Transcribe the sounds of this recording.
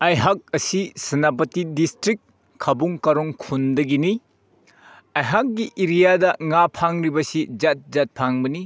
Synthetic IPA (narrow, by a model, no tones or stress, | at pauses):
ɐjɦak̚ɐsisɐnap̬ɐtidistɾik̚ | kʰɐbuŋkɐɾoŋkʰundɐɡini | ɐjɦak̚ɡiʔiɾijadɐŋapʰaŋɾibɐsid͡ʒat̚zat̚pʰaŋbɐni